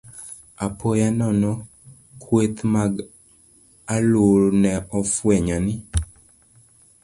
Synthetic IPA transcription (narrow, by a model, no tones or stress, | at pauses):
apʰojanɔnɔ | kʰwet̪maɡ | aluɾnɛɔfwɛɲɔnɪ